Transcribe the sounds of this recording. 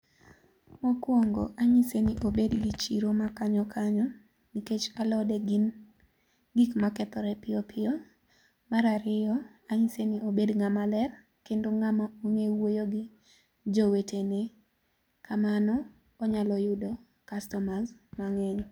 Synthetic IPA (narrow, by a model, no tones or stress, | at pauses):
mokwoŋɡo̰ʔaɲisenɪʔobedɡit͡ʃiɾomakaɲɔkʰaɲɔ | niket͡ʃalɔdɛɡin | ɡikmakɛt̪ɔɾɛpɪɔpʰɪɔ | maɾaɾɪjɔ | aɲiseniobedŋamalɛr | kendoŋamaoŋewojoɡɪ | d͡ʒowetʰene | kʰamanɔː | ɲalɔjʊdɔ | kastɔmazmaŋɛɲ